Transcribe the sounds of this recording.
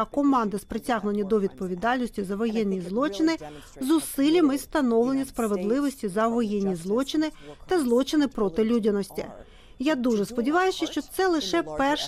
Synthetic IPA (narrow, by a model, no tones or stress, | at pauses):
ɐkɔmɑnd̪ɪspɾɪtʲaɦnʊnʲːɐd̪ɔʋʲid̪̚pɔʋʲid̪ɑlʲnɔsʲtʲʊzɐʋɔjɛnʲːizlˠɔt͡ʃɪnɪ | zʊsɪlʲɐmɪst̪ɐnɔwlˠenʲispɾɐʋed̪lˠɪʋɔsʲtʲizɐʋɔjɛnʲːizlˠɔt͡ʃɪnɪt̪ɐzlˠɔt͡ʃɪnɪpɾɔt̪ɪlʲudʲɐnɔsʲtʲɪ̰ | jad̪uʒɛspɔdʲiʋɑjʊst͡ʃɪʃt͡ʃɔt̪sɛlˠɪʃɛpɛrʃ